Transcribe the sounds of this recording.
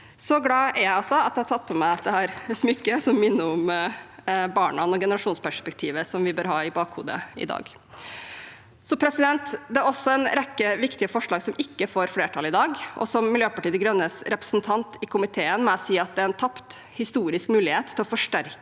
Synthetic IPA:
sɔɡlɑːæɾjæɪɑsɔɑt̪d̪ɛhɑtʰɑt̪̚ːpʰɔmæɪɑt̪̚d̪ɛhæːɾsmʏkːəsɔmːɪnːəɾʊm | bɑːɳɑnɔɡɛnəɾɑʂuːnspʰæʂpɛk̚t̪ʰiːʋəsɔmʋɪbøːɾɦɑːɪbɑːkhṵːd̪ə̰ɪ̰d̪ɑ̰ːɡ | sɔpʰɾɛsɪd̪ɛnt̪d̪ɛæɾɔsːɔɛnɾɛkːəʋɪkt̪ɪəfɔʂɭɑːɡsɔmɪkːəfoːɾfleːʈʰɑlɪd̪ɑːɡʔɔ̰sɔmːɪljøːpɑʈiːd̪əɡɾœnːəsɾɛpɾə̥snt̪ʰɑnt̪ɪkʰʊmɪt̪ʰeːənmɛɔsiːɑt̪̚d̪ɛæɾɛnt̪ʰɑpt̪ | hɪst̪uːɾɪskmʉːlɪheːt̪ʰːɪlɔfɔʂʈæɾkə

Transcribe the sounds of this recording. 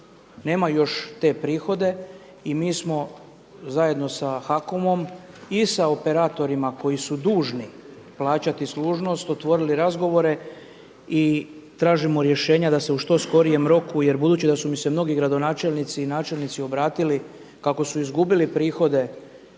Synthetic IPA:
ne̞ːmajo̞ʃt̪e̞ːpɾiːxo̞d̪e̞ | imiːsmo̞ | zaje̞d̪no̞saxako̞mo̞m | isaope̞ɾaːt̪o̞ɾimako̞jisud̪uːʒni | plˠaːt͡ɕat̪isluːʒno̞st̪o̞t̪ʋo̞ɾiliɾazɡo̞ʋo̞ɾe̞ | i | t̪ɾaːʒimoɾje̞ʃe̞ːɲad̪ase̞uʃt̪o̞sko̞ɾije̞mɾo̞kuje̞ɾbud̪uːt͡ɕid̪asumise̞mno̞ɡiɡɾad̪o̞naːt͡ʃe̞lʲnit̪siːnaːt͡ʃe̞lnit̪sio̞bɾaːt̪ili | kako̞suizɡubilipɾiːxo̞d̪e̞

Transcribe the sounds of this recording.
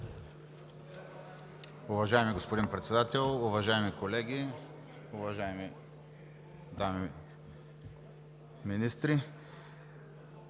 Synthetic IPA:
ʊvɐʒaɛmiɡospod̪inpɾɛt̪sɛd̪at̪ɛlˠʊvɐʒaɛmikolɛɡʲi | ʊvɐʒaɛmi | d̪ami | minist̪ɾi

